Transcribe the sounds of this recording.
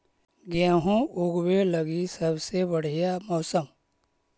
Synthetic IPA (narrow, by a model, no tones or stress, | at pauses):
ɡjãːɦũʊɡweləɡisəbsebəɽ̤ijamɔːsəm